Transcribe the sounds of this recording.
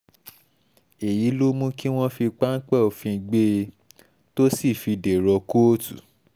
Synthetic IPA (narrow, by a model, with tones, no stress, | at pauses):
e˨ji˨˦lo˦mũ˦ki˦w̃ɔ̃˦fi˧k͡pa˦n̩˦k͡pɛ˦˨o˨fĩ˧ɡ͡be˦˧ | to˦si˦˨fi˧de˨ɾɔ˧ko˦o˦tṵ˨